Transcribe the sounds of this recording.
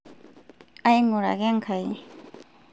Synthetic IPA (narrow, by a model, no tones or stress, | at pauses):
ajŋuɾa̰ɡɛŋkʰaj